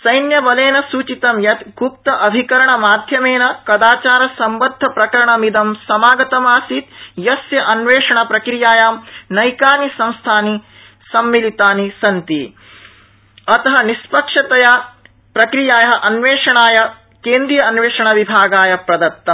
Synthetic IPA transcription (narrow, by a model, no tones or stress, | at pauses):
sɐjnjɐbɐleːnɐsuːt͡ʃit̪ɐmjɐt̪ɡup̚t̪ɐʔɐbʱikɐɾɐɳɐmaːd̪ʱjɐmeːnɐkɐd̪aːt͡ʃaːɾɐsɐmbɐd̪ʱːɐpɾɐkɐɾɐɳɐmid̪ɐmsɐmaːɡɐt̪ɐmaːsit̪jɐsjɐʔɐnʋeːʂɐɳɐpɾɐkɾijaːjaːmnɐjkaːnisɐ̃ñst̪ʰaːni | sɐmːilit̪aːnisɐnt̪i | ɐt̪ɐɦɐnispɐkʂɐt̪ɐjɐ | pɾɐkɾijaːjɐɦɐʔɐnʋeːʂɐɳaːjɐ | keːnd̪ɾijɐɐnʋeːʂɐɳɐʋibʱaːɡaːjɐpɾɐd̪ɐt̪ːɐm